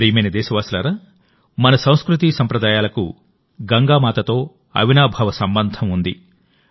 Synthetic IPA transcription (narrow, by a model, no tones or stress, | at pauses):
ɾiːmeːnɐd̪ɛːsɐʋaːsulaːɾaː | mɐnɐsɐ̃w̃skɾut̪isɐmpɾɐd̪aːjaːlɐku | ɡɐŋɡaːmaːt̪ɐt̪o̞ː | ɐ̰ʋinaːbʱɐʋɐsɐmbɐnd̪ʱɐmund̪i